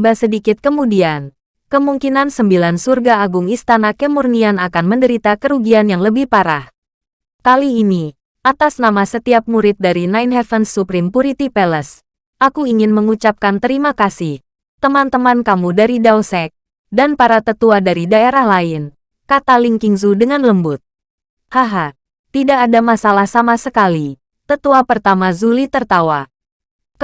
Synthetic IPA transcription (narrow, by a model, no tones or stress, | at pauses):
basədikɪt̪̚kəmudian | kəmuŋkinansəmbilansurɡaːɡuŋist̪anakəmurnianakanməndəɾit̪akəɾuɡianjaŋləbɪhpaɾah | kaliːni | ʔat̪asnamasət̪iap̚muɾɪt̪̚daɾinainɦɛfənsːupɾɪmpuɾit̪ipɛləs | ʔakuiŋɪnməŋut͡ʃap̚kant̪əɾimakasɪh | t̪əmant̪əmankamudaɾidawsɛk̚ | danpaɾat̪ət̪uadaɾidaeɾahlaɪn | kat̪aliŋkiŋzudəŋanləmbʊt̪̚ | haɦa | t̪idaːdamasalahsamasəkali | t̪ət̪uapərt̪amazulit̪ərt̪awa